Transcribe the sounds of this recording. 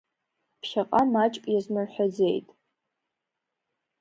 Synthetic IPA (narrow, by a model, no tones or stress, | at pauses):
pʰʃaqʼamat͡ʃʼkʷʼjaznɨrħʷᶣad͡ze̞jtʼ